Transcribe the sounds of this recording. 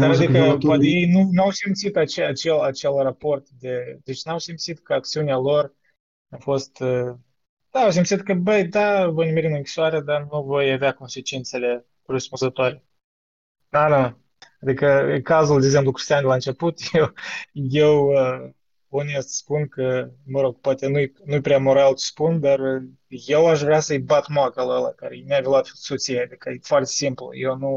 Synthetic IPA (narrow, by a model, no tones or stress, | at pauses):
d̪aɾad̪ikəpat̪ejejnunawsimt̪sit̪at͡ʃeat͡ʃelat͡ʃe̞lrapo̞rt̪d̪e̞d̪et͡ʃnawsimt̪sit̪kəak̚t̪siunealo̞r | awfo̞st̪ə | d̪̥aaws̬imt̪sit̪kəbəjd̪avo̞jnmeɾinɨŋkʲi̥soaɾed̪anuvo̞javeako̞nse̞t͡ʃint̪se̞le̞ | rəspunzət̪oaɾe̞ | d̪anaa | ad̪ikəkazuld̪eɡze̞mplukɾʲist̪iand̪elaɨnt͡ʃe̞put̪jewjewə | unijəspunkəməɾo̞ɡ̥poat̪enujnujpɾeamo̞ɾalt͡ʃe̥spund̪ar | je̞waʃvɾeasəjbat̪moakaluəla̰kaɾḛnavʲilat̪sot̪sijead̪ikəfoart̪esimplṵjewnu